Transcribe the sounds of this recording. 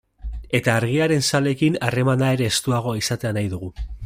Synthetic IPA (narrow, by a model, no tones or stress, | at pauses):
e̞t̪aːɾɣ̞iaɾe̞nsale̞kinare̞manae̞ɾe̞ːst̪uaɣ̞o̞isat̪e̞anajðuɣ̞u